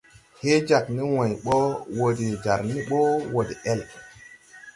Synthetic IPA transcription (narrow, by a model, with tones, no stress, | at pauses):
he˦d͡ʒa˨kni˦wã˨jɓo˦wo˨de˨d͡ʒa̰˨ɾni˦ɓo˦wo˨de˨ʔɛ˦l